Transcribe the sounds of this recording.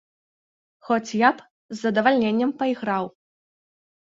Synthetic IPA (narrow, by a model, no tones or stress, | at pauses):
xɔt͡sʲjap | zːɐd̪ɐvalʲnʲenʲːɐmpɐiɣɾaw